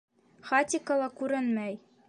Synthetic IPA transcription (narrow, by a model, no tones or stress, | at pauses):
χat̪ʲɪkəlˠɑkʉɾɘnmæj